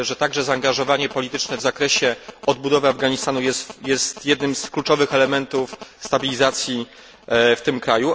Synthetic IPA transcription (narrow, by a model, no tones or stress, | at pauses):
ʐɛt̪aɡʐɛzaːŋɡaʐɔvaɲɛpɔlʲit̪ɘt͡ʂnɛvzakɾɛɕɛɔd̪̚bud̪ɔvɘavɡaɲist̪anujɛst̪jɛst̪jɛd̪nɘmsklut͡ʂɔvɘxɛlɛmɛnt̪ufst̪abʲilʲizat̪sʲji | ft̪ɘmkɾaju